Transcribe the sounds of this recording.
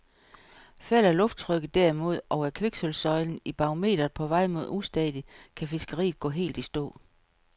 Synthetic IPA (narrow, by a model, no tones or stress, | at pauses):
fæl̰æɐlɔ̽fd̥̚t͡sʰʁœɡ̥ð̩ˠd̥æɐimo̝ð̞̰ˠɒ̽ʊæɐkʰʋeɡ̥sølsɒ̽ɪln̩ib̥ɑ̈o̝me̝̰ːd̥ɐð̩ˠpʰɒ̽ʋɑ̈ɪ̰mo̝ð̞̰ˠusd̥ɛːðˠikʰæfesɡ̥ɐʁḭːðˠɡ̥ɔ̰̽ːɦe̝̰ːld̥isd̥ɔ̰̽ː